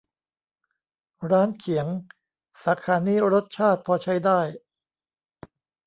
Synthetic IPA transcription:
ɾaː˦˥nkʰi˩˦əŋ | sa˩˦kʰaː˧˥niː˦˥ɾo˦˥t̪̚t͡ɕʰaː˥˩t̪̚pʰɔː˧t͡ɕʰa˦˥jdaː˥˩j

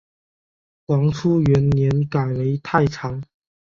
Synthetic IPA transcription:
kwɑ˧˥ŋʈ͡ʂʰu˥ɥɛ˧˥nnjɛ˧˥nka˨˩ɪwe˧˥ɪt̪ʰa˥˩ɪʈ͡ʂʰɑ˧˥ŋ

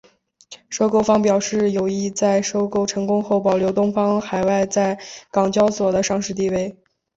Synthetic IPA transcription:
ʂo˥ʊko˥˧fɑ˥ŋpjɑ˨˩ʊʂɻ̩˥˩jo˨˩ʊi˥˧t͡sa˥˩ɪʂo˥ʊko˥˩ʊʈ͡ʂʰɤ˧˥ŋkʊ˥ŋxo˥˩ʊpɑ˨˩ʊljo˧˥ʊt̪ʊ˥ŋfɑ˥ŋxa˨˩ɪwa˥˧ɪt͡sa˥˩ɪkɑ˨˩ŋt͡ɕjɑ˥ʊswɔ˨˩d̪ə˦ʂɑ˥˧ŋʂɻ̩˥˧t̪i˥˧we˥˩ɪ

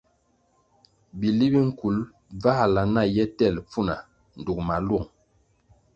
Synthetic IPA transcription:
bi˨li˦bi˦ŋ̩˦ku˨˦l | b͡va˦˨la˨na˦˨jɛ˦tɛ˦˨lp͡fu˦na˨ | n̩˨du˨k̚ma˨lu˦˨ŋ

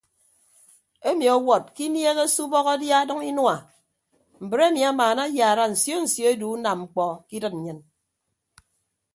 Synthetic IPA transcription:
e˦mi˨ɔ˨wɔ˨t̚ki˦nje˦ɣe˦su˦bɔ˦ɣa˦dja˦dɨ˦ŋi˦nwa˨ | m̩˨bɨ˨ɾe˦mi˨a˨maː˨na˦jaː˨ɾa˦n̩˨sjo˦n̩˨sjo˦e˦du˨˦na˨mŋ͡m̩˨k͡pɔ˨ki˦dɨ˦t̚n̩˨ɲɨ˨n

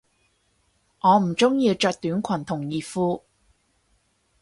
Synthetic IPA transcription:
ŋɔː˨˧m̩˨˩t͡ʃʊ˥ŋjiː˧t͡ʃœː˧k̚t̪yː˨˥nkʷʰɐ˨˩nt̪ʰʊ˨˩ŋjiː˨fuː˧

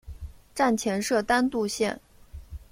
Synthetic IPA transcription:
ʈ͡ʂa˥˩nt͡ɕʰjɛ˧˥nʂɤ˥˩t̪a˥nt̪u˥˧ɕjɛ˥˩n

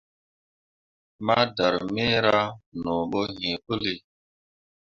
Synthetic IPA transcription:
ma˦da˨ɾme˦ɾa˦nɔ̃ː˨ɓo˦ɦĩ˨pu˦li˨

